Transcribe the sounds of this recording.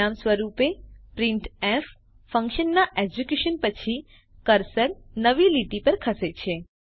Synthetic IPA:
amsʋəɾupepɾiɳʈɛf | fə̃ŋkʃənːaʔed͡ʒukjuʃənpət͡ʃʰi | kəɾsəlnəʋiliʈipəɾkʰəset͡ʃʰe

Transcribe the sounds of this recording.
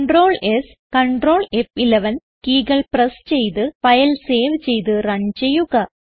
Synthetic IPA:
ɳɖroːɭes | kɐɳɖroːɭefileʋɐn | kiːɡɐɭprɐst͡ɕejt̪ɨpɐjɐlseːʋt͡ɕe̞jt̪̬ɨɾɐɲt͡ɕejːuɣɐ

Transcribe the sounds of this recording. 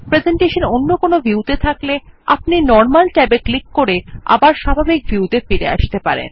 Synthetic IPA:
pɾezeɳʈeʃononːokonovʱuut̪et̪ʰaklea̰pninɔɾmalʈɛbeklikːoɾea̰baɾʃabʱabik̚vjuwt̪efiɾḛa̰ʃt̪epaɾḛn

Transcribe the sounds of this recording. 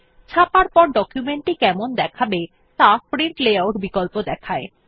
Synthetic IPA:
t͡ɕʰapaɾpɔɾɖɔkjumeɳʈikɛmond̪ɛkʰabe | t̪apɾiɳʈleawʈbikolpod̪ɛkʰae

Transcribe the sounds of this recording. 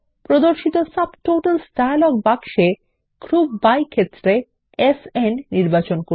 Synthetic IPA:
pɾod̪oɾʃit̪osabʈoʈalsʈalɔɡ̚baɡʃe | kɾubːajkʰet̪ːɾe | esenniɾbat͡ɕonko

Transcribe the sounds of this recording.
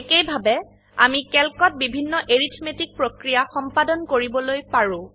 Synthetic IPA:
ekejbʱabɛ | a̰mikɛlkɔt̚bibʱinːɔʔeɹitʰmetik̚pɹokɹijaxɔmpadɔnkoɹibɔlojpaɹʊ̃

